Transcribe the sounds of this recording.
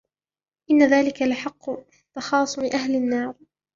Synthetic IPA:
ʔɪnːaðaːlɪkalaħɑqːʊ | t̪ːɑxɑːsˤʊmɪʔahlɪnːɑːɾˤ

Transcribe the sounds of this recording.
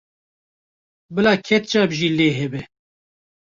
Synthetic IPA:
bɨlaːkʰɛt̪̚t͡ʃɑːbʒiːleːɦɛbɛ

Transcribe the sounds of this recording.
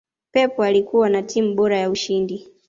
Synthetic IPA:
pɛpɔalikuwanatim̩ɓɔɾajauʃindi

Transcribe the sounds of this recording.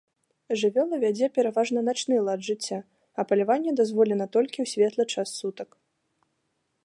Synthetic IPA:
ʐɨvʲɔlˠɐvʲad͡zʲɛpʲɛɾavaʐnɐnat͡ʂnɨlˠad̪ʐɨt͡sʲːa | ɐpɐlʲavanʲːɛd̪azvɔlʲɛnɐt̪ɔlʲkʲiwsʲvʲɛt̪lˠɐt͡ʂasːut̪ɐk

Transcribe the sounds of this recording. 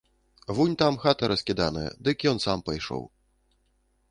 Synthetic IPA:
vunʲt̪amxat̪ɐɾɐsʲkʲid̪anɨ̰jɐ̰d̪ɨkʲjɔnsampɐjʂɔ̰w

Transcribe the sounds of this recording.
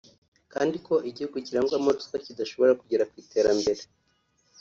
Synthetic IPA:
kaːndiko̞ʔiɟihuɡuciɾaŋɡwamoɾskacidaʃo̞βo̞ɾakuɟeɾakwiːte̞ːɾambe̞ɾe

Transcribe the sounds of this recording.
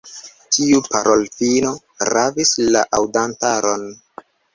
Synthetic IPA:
tʰiupaɾʔolfino̞ | ɾavislaʔawdantaɾo̞n

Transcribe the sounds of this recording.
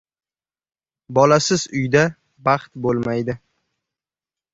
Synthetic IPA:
bɒlasɪzʊjd̪a | bɑχt̪bolˠmajd̪ɪ

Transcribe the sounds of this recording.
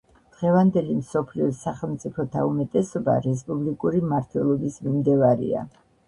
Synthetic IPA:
d̪̥ʁɛvand̪ɛlimsɔpʰliɔsaχɛlˠmt̪sʼipʰɔt̪ʰaumɛt̪ʼɛsɔba̰ɾɛs̬pʼublikʼuɾimaɾt̪ʰwɛlˠɔbismimd̪ɛvaɾḭa̰

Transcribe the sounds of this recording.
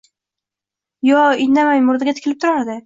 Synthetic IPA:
jɒɪnamajmʊɾd̪ɪɡʲat̪ʰɪ̥kʲʰlɪp̚t̪ʰʊɾaɾd̪ɪ

